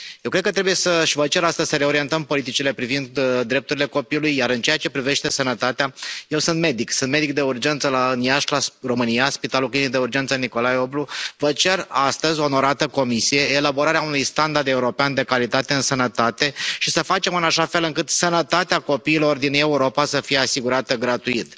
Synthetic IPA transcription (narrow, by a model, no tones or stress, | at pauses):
jewkɾe̞d̪̚kət̪ɾebujesəʃivət͡ʃe̞ɾast̪əzʲsəɾe̞o̞ɾient̪əmpo̞lit̪it͡ʃile̞pɾivind̪d̪ɾe̞p̚t̪uɾile̞ko̞piulujːjaɾɨnt͡ʃe̞jat͡ʃe̞pɾive̞ʃt̪e̞sənət̪at̪eaje̞wsɨnt̪̚me̞d̪iksɨnt̪me̞d̪ik̚d̪e̞urd͡ʒe̞nt̪səlaɨnjaʃlaro̞mɨnijaspit̪alulklinik̚d̪eurd͡ʒe̞nt̪səniko̞lajo̞bluvət͡ʃe̞rast̪əzʲo̞ːno̞ɾat̪əko̞misije̞ːlabo̞ɾaɾeaunujst̪and̪ard̪e̞uɾo̞peand̪e̞kalit̪at̪e̞ɨnsənət̪at̪e̞ʃisəfat͡ʃe̞mɨnaʃafe̞lɨŋkɨt̪sənət̪at̪eako̞piːlo̞rd̪ine̞uɾo̞pasəfije̞asiɡuɾat̪əɡɾat̪uit̪